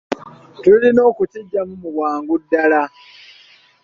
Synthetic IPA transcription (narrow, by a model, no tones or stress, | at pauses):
tulino̞ːkuciɟːamumuβwaːŋɡudːala